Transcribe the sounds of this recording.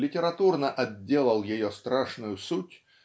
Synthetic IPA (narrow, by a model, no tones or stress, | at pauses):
lʲɪtʲɪɾɐt̪urnəʔɐdʲːe̞lˠəlˠjɪjost̪ɾaʂnʊjʊsutʲ